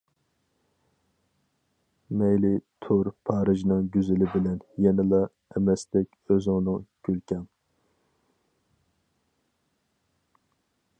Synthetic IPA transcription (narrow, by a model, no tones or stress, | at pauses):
mɛjlɪt̪ʰuɾpʰɑːɾɨʒnɨŋɡʲyzɪlɪbɪlɛnjɛnɪlˠɑ | ɛmɛsd̪ɛkʲøzɪŋnɨŋɡ̥ʲylkʲʰɛm